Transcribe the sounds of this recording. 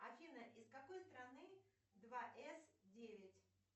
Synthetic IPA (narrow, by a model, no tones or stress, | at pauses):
ɐfʲivnəʔɪskɐko̞jst̪ɾɐnɨ | d̪vaʔɛsdʲevʲɪtʲ